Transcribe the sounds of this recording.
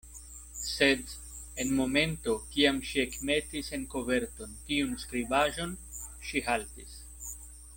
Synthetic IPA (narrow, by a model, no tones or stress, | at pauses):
se̞d | enmo̞me̞nto̞kiamʃie̞kme̞tise̞nko̞ve̞ɾto̞ntiunskɾibaʒo̞nʃiɦaltis